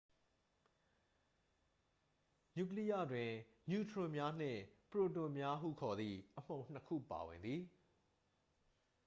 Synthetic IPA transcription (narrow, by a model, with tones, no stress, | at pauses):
ɲu˨k̬li˦jä̰˦˨dwɪ̃˨ | ɲu˨tʰɹʊ̃˨mja˦n̥ɪ̰̃˦˨pəɹo˨tʊ̃˨mja˦ɦṵ˦˨kʰɔ˨d̪ði˨ʔəm̥õ˨ʊ̃n̥əkʰṵ˦˨pa̰˨wɪ̃˨nd̪ði˨